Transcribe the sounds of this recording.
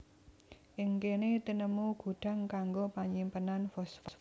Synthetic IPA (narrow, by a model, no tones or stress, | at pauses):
ʔɪŋkenet̪inəmuɡ̥ṳɖ̥ä̤ŋkaŋɡopaɲimpənanfɔsf